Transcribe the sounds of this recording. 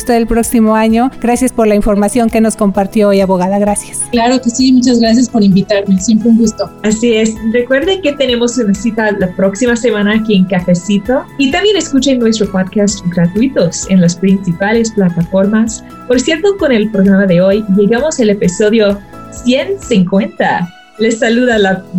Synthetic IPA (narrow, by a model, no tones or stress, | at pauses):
st̪eðelpɾo̞ksimoaɲo̞ɡɾasjaspo̞ɾlaiɱfo̞ɾmasjo̞ŋke̞no̞sko̞mpaɾt̪jo̞ojaβo̞ɣaðaɣɾasjḁsklaɾokesimut͡ʃazɣɾas̬jaspo̞ɾimbit̪aɾmesjempɾeuŋɡust̪oasiesre̞kwe̞ɾðeŋket̪e̞ne̞mo̞sunasit̪alapɾo̞ksimase̞mãnaːkieŋkafesit̪o̞it̪ambje̞ne̞skut͡ʃejnːwe̞s̬t̪ɾo̞poðkast̪ɡɾat̪uit̪o̞se̞nlaspɾinsipale̞splat̪afo̞ɾmas | po̞ɾsje̞ɾt̪o̞ko̞ne̞lpɾoɣɾamaðe̞o̞jʝe̞ɣamo̞sele̞piso̞ðjo̞ | sje̞nsiŋkwe̞nt̪a | le̞sːaluðala